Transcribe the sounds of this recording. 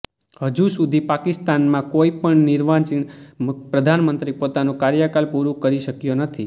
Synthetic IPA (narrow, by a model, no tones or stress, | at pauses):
həd͡ʒusud̪ʱipakɪst̪anmãkoipəɳnɪɾʋat͡ʃinmpɾəd̪ʱanmənt̪ɾipot̪anõkaɾjəkalpuɾũkəɾiʃəkjonət̪ʰi